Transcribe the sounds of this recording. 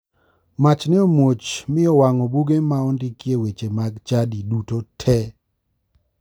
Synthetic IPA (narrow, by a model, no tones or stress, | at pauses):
mat͡ʃnɪomwot͡ʃmɪɔwaŋɔbuɡemaɔndikjewet͡ʃemaɡt͡ʃadidutotʰɛ